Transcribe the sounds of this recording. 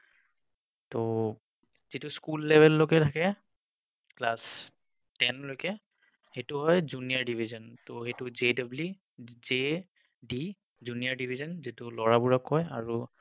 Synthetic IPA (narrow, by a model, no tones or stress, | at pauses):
to | z̥itʊskulːɛbʱɛlːokɛtʰakɛ | klas | tɛnlojkɛ | hetʊɦɔjzunijaɹɖibʱizɔntoxetʊzedabli | ze | ɖi | zuniaɹdibʱizɔnzitʊlɔɹabuɹakːɔja̰ɹu